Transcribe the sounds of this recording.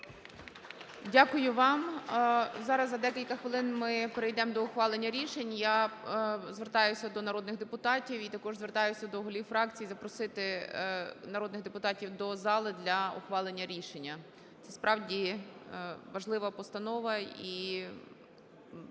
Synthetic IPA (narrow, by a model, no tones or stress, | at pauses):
dʲakʊjʊʋɑm | zɑɾɐzːɐd̪ɛkʲilʲkɐxʋɪlˠɪnmɪpeɾejd̪ɛmd̪ɔʊxʋɑlˠenʲːɐɾʲiʃenʲja | zʋert̪ɑjʊsʲɐd̪ɔnɐɾɔd̪nɪɣd̪epʊt̪ɑtʲiwit̪ɐkɔʒzʋert̪ɑjʊsʲɐd̪ɔɦʊlʲiwfɾɑk̚t͡sʲijizɐpɾɔsɪt̪ɪ | nɐɾɔd̪nɪɣd̪epʊt̪ɑtʲiwd̪ɔzɑlˠɪd̪lʲɐɔ̰xʋɑlˠenʲːɐɾʲiʃenʲːɐ | t̪sɛspɾʔɑwdʲi | ʋɐʒlˠɪʋɐpɔst̪ɐnɔʋɐi